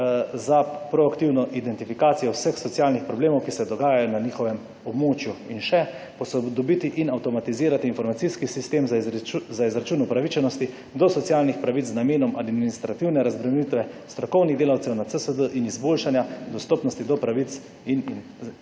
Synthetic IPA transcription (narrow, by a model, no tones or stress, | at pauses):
zapɾɔakt̪iwnɔʔid̪ɛnt̪ifikaːt̪sijɔwsəxsɔt̪sijalnixpɾɔbleːmɔwkisɛd̪ɔɡaːjajɔnaniːxɔʋɛm | ɔbmoːt͡ʃjuinʃɛ | pɔsɔd̪ɔbit̪iʔinawt̪ɔmat̪iziːɾat̪iːnfɔɾmat̪siskisist̪eːmzaizɾat͡ʃuːnupɾaʋit͡ʃɛnɔst̪i | d̪ɔsɔt̪sialnixpɾaʋit͡s̪znameːnɔmad̪minist̪ɾat̪iwnɛɾazbɾɛmɛnit̪ʋɛst̪ɾɔkɔwniɣd̪eːlawt̪sɛwnat̪səsəd̪əʔinizboːlʃanjad̪ɔst̪ɔpnɔst̪id̪ɔpɾaʋit̪s | in